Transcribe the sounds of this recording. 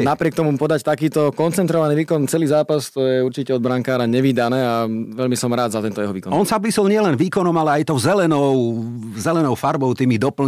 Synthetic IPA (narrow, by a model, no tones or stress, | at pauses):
napɾɪɛkt̪ɔmupɔd̪act̪akiːt̪ɔkɔnt͡sɛnt̪ɾɔʋaniːʋiːkɔnt͡sɛliːzaːpast̪ɔjɛuɾt͡ʃicɛɔd̪bɾaŋkaːɾaɲɛʋid̪anɛːaʋɛʎmisɔmɾaːd̪zat̪ɛnt̪ɔjɛɦɔʋiːkɔnɔnsabplisɔlɲɪɛlɛnʋiːkɔnɔmalɛajt̪ɔʊzɛlɛnɔʊ | zɛlɛnɔʊfaɾbɔʊt̪imid̪ɔpl̩